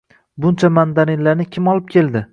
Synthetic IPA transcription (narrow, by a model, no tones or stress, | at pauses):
bʊnt͡ʃʰamand̪aɾɪnlanɪkʲʰɪmɒlˠɪp̚kʲe̞lˠd̪ɪ